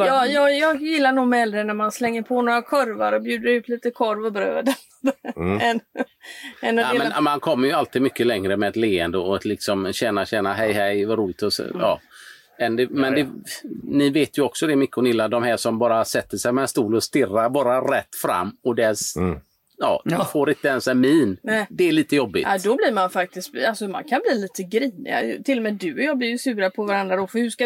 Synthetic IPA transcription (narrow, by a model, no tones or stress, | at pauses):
ɑːjɑːjɑːɡjɪlːanuːɡmɛld̪ɾənæɾmanslɛŋːəɾpʰonoːɾakʰœɾvaɾɔbjʉːd̪əɾʉ̟ːt̪ʰliːt̪əkʰɔɾvɔbɾø̰ːd̪ənɛn | ɛnːɔmɛnmankʰɔmːəɾjɵalt̪iːd̪̚mʏkːəlɛŋɾəmɛɛt̪leːɛnd̪əɔt̪lɪksɔmɕɛnːaɕɛnaɦɛjɦɛjvaɾuːlɪɡ̚t̪ɔ̰ɑ̰ː | ɛnd̪ɛmɛnd̪ɛnɪveːt̪jɵɔksɔd̪ɛmʏkːəɔnɪlːad̪ɔmhæːʂɔmbɑːɾasɛt̪ːəʂɛjmɛɛnst̪uːlɔst̪ɪrːaɾbɑːɾaɾɛt̪ːfɾa̰mːɔd̪ɛs | jɑ̰ːfoːɾɪnt̪əɛnsɛmiːnɛd̪ɛːɭiːt̪əjɔbːɪ̰ʔad̪ɔbliɾmanfak̚t̪ɪst̪alsɔma̰nkʰanbliːliːt̪əɡɾiːnɪ̰a̰t̪ʰɪlːɔmɛːd̪ʉɔjɑːblɪɾjɵsʉ̟ːɾapʰɔvaɾand̪ɾad̪ɔfœhʉʂka